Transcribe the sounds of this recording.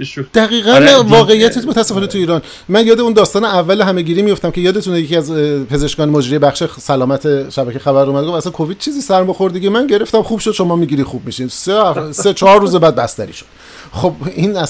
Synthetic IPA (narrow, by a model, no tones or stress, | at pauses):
d̪̥æɣiːɣænvɒːɣe̞ijæt̪ʰit̪mot̪ʰæsːe̞fɒːnet̪ʰuiːɾɒːn | mænjɒːd̪e̞und̪ɒːst̪ɒːneævːæleɦæme̞ɡiːɾiːmijo̞ft̪æmcʰe̞jɒːd̪e̞t̪ʰunejecʰiæzpʰe̞ze̞ʃkɒːnemod͡ʒɾiːebæχʃesælɒːmæt̪ʰe̞ʃæbæcʰexæbæɾuːmæd̪ɡofæsænkʰo̞viːd̪̚t͡ʃʰiːziːsæɾmoxo̞ɾd̪eɡimænɟe̞ɾe̞ft̪æmxuːbʃod̪ʃo̞mɒːmiːɟiːɾiχxub̚miʃinseset͡ʃʰːɾːuːzebæːd̪̚bæst̪æ̰ɾḭːʃo̥d̪̥ | xob̚inæ